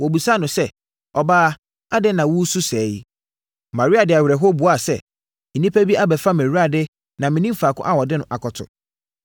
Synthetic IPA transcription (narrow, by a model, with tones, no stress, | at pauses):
wɔ˨bu˨sa˦nʊ̃˨sɛ˦˨ | ɔ˨baː˦ | a˦dɪ˦nã˨wu˦su˦sɛː˨˦ji˦˨ | mã˨ɾi˦a˨dɪ˨a˨ɥɾɛ˨ɦo˦bu˨a˦˨sɛ̰˨ | nĩ˦pʰæ˦bi˦ʔa˦bɛ˨fa˦mẽ˨ɾu˦a˨dɪ˦ | nã˨mɪ̃˨nĩ˦m̩˦faː˨kʰʊ̰̃˦ʔa˦wɔ˨dɪ˦nʊ̃˨ʔa˨kʰɔ˨tʰʊ̰˨